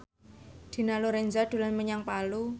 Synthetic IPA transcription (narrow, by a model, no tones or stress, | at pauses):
d̪̥i̤naloɾɛnzad̥ṳlanməɲaŋpalu